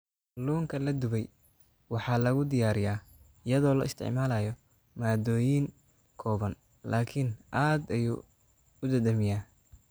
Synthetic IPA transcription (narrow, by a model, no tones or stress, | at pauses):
luːŋkʰɐlɐd̪ʊβɛj | wɑħɑːlɐɣʊd̪ɪjaːɾɪjaː | ɪjɐðɔːlɐ̰ɪst̪ʰɪ̰ʕmaːlaːjɔ | maːd̪ɔːjiːŋ | kʰɔːβɐn | la̰ːkʰɪnʔaːd̪ɐjṵː | ʊd̪ɐd̪ɐmɪjaː